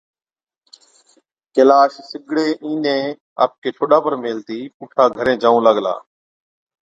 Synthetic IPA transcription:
kəlaːʃsɪɡʱɽeːʔĩːnẽː | a̰ːp̚keːʈʰoːɗaːpəɾmeːlt̪iːkuːʈʰaːɡʱəɾẽːd͡ʒãːũːləɠla̰ː

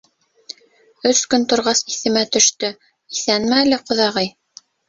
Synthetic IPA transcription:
ɵskɵnt̪ŏɾʁɑsiθɘ̆mæt̪ɵ̆ʃt̪ɵ | iθænmælɘqŏðɑʁɤj

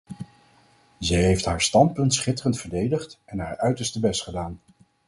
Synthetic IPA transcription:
zɛjɦejftɦaːɹstɑnt̚pɵntsχɪtərəntfəɹdejdəχtɛnɦaːɹœɥtəɹstəbɛstχədaːn

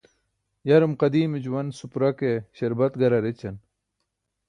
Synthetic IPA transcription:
jɐɾumqɐd̪iːmid͡ʑuwɐnsupuɾɐkeɕɐɾbɐt̪ɡɐɾɐɾet͡ɕɐn

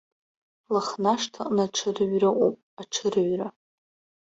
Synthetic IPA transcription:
laχnaʂtʰaqʼnaʈ͡ʂʰɨrɥrɨʔʷʼopʼaʈ͡ʂʰɨrɥra

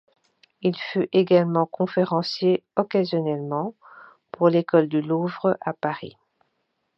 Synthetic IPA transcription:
ilfyʔeɡalmɑ̃kɔ̃feʁɑ̃sjeɔkazjɔnɛlmɑ̃ | puʁlekɔld̪əluvʁəʔapaʁḭ

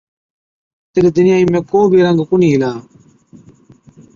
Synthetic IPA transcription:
t̪eɾeːd̪ɪnɪjaːiːmẽːkoːbʱiːɾəŋɡkʊniːlaː

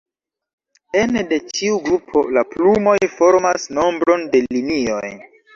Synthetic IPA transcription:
ende̞t͡ʃiuɡɾupʰo̞laplumo̞jfo̞ɾmasno̞mbɾo̞nde̞llinio̞j

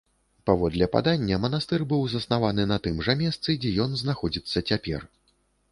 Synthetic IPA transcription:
pavɔd̪lʲɛpa̰d̪anʲːɐmɐnast̪ɛrbɨwzɐsnavanɨnɐt̪ɨmʐɐmʲɛst̪sɨd͡zʲɛjɔnznaxɔd͡zʲit̪sːɐt͡sʲapʲɛ̰r

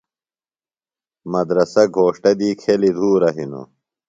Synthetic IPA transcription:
mɐd̪ɾɐsɐɡʱoːʂʈɐd̪iːkʰelid̪ʱuːɾɐɦino̰

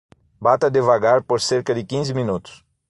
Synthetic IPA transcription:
bat̪ɐd̪evaɡaɾpoɾseɾkɐd̪ɪkĩzɪminut̪ʊ̥s

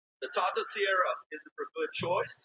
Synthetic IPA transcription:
ðɨtʰɔtəsiɛɹəɪz̃n̩fəɡʊd̚t͡ʃʰɔɪs

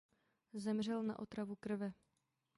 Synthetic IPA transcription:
zɛmr̝ɛlna̰ʔo̞t̪ɾavukr̩vɛ

